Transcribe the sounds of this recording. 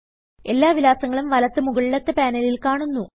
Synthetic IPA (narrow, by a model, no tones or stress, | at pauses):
e̞lːaːʋilaːsɐŋːɐɭumʋɐlɐt̪ːɨmuɣɐɭːɐt̪ːɨpaːnɐlilkaːɳunːu